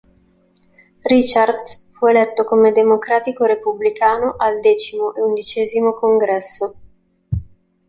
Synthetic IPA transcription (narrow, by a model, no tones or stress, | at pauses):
rit͡ʃard̪sfuelɛt̪ːokomed̪emokɾaːt̪ikoɾepublikaːnoʔald̪ɛːt͡ʃimoʔeund̪it͡ʃɛːzimokoŋɡɾɛsːo